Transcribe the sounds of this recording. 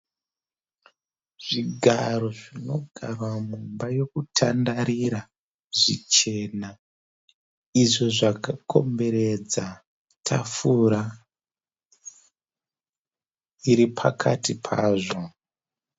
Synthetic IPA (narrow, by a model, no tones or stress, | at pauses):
ʐ̥iɡʱaro̞ʐino̞ɡʱarwamumbajo̞kutʰandaɾiɾa | ʐit͡ʃe̞na | iʐoʐakakʰo̞mbe̞ɾe̞d͡za | tʰafuɾa | iɾipʰakʰatipʰaːʐo̞